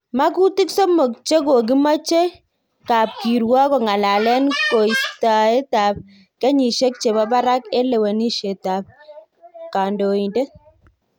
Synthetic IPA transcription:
ma˦ku˦tɪ˦ksɔ˦mo˨k̚t͡ʃe˦ko˨ɡi˦ma˦t͡ʃe˦ | ka˨p̚ki˨ɾwa˦kɔ˨ŋa˨la˨lɛ˦nko˨i˨˦sta˨e˦ta˨p̚ | kɛ˦ɲi˨ʃe˦k̚t͡ʃe˨ba˦ba˦ɾa˦ke˦le˨we˨ni˦ʃe˨ta˨p̚ | ka˨ndo˨i˨nde˦

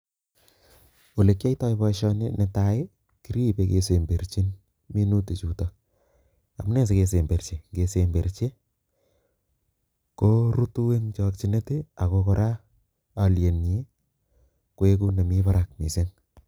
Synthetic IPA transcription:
o˨le˨kːja˦jtɔ˦jpɔ˧ʃɔ˦nɪne˨tae˦ | ki˦ɾi˦beke˨se˨mbe˨ɾt͡ʃi˦n | mi˦nu˦te˨t͡ʃu˨tɔ | a̰˨mu˦ne˦s̬eke˨s̬e˨mbe˨rt͡ʃe˨ŋɡe˨sembe˨ɾt͡ʃe˦ | ko˦ɾu˦tu˦we˦ŋt͡ʃɔk̚t͡ʃi˦ne˦te˦a˨kokɔɾa˦ | alje˨nje˦ | kwe˦ku˦ne˨mipaɾak̚mḭ˨se˦n

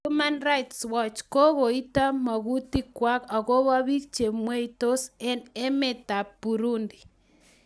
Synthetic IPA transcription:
uma˦nɾa˦jtswɔt͡ʃko˦ɣo˨i˦ta˦ma˨ɣu˦ti˦kwa˦ka˨ɣo˦βa˦βi˦t͡ʃe˨mwe˦ito˦sene˦me˨ta˨pu˨ɾu˦ndi˨

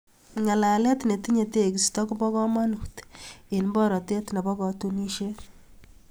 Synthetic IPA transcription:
ŋa˨la˨lɛ˦t̪ne˨ti˦ɲe˨te˦˨kstɔ˦ku˦bɔ˦kɔ˦ma˦nu˨ti˨nbɔ˦ɾɔ˨te˦t̪na˨bɔ˦kɔ˨tu˦ni˦ʃe˦t

